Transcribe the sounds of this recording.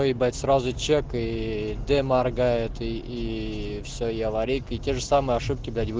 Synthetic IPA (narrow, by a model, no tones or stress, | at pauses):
oibat̪ʲsɾazʊt͡ɕekɨd̪ɛmarɡaɪt̪ɨifsʲoiɐvɐɾʲikitʲe̞ʐɨsamɨjəɐʂɨp̚kʲɪblʲatʲbɨ